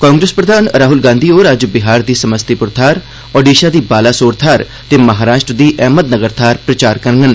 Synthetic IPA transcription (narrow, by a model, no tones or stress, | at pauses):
kãːŋɡɾespɾəd̪ʱaːnɾaːɦʊlɡãːnd̪iːoːɾad͡ʒbɪɦaːɾd̪iːsəməst̪ipʊɾt̪ʰaːɾ | ɔːɖiːʃaːd̪iːbaːlaːsoːɾt̪ʰaːɾ | t̪eːməɦaːɾaːʃʈɾd̪iːʔɛːməd̪nəɡəɾt̪ʰaːɾpɾət͡ʃaːɾkəɾŋɡən